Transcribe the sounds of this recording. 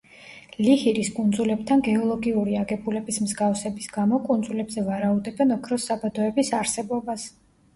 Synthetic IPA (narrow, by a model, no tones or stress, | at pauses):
lihiɾiskʼund̪zulɛb̚t̪ʰanɡɛɔlˠɔɡiuɾiaɡɛbulɛbismzɡafsɛbisɡamɔkʼund̪zulɛbzɛvaɾaud̪ɛbɛnɔkʰɾɔsabad̪ɔɛbisaɾsɛbɔbas